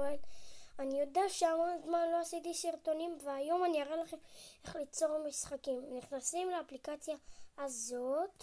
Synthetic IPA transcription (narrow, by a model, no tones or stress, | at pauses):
elanijo̞deaʃeamonzmanlo̞asit̪isiʁt̪o̞nimveajo̞maniaʁelaχe̞me̞χlit͡so̞ʁmisχakimniχnasimleaplikat͡sjaazo̞t̪